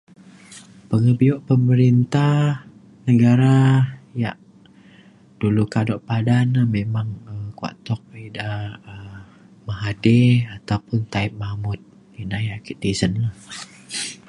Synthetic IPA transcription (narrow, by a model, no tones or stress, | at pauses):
pəŋəbiɔʔpəməɾint̪ah | nəɡaɾaja̰ʔ | d̥ulukadɔʔpadanahmemaŋəmkwa̰ʔt̪ɔk̚idaə | maɦadɛat̪awpʊnt̪aip̚mamʊt̪̚ | inajaʔkit̪̚disənlah